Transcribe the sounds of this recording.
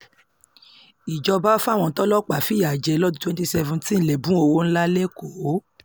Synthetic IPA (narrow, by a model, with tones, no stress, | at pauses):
i˨d͡ʒɔ˧ba˦fu˦a˦˨w̃ɔ̃˧tɔ˦lɔ˦k͡pa˨fi˦ja˨d͡ʒɛ˧lɔ˦dũ˦twɛ̃˦nti˦sɛ˦vũ˧tĩ˦n̩˦˨lɛ˨bũ˦o˧wo˦n̩˦la˦le˦ko˨˦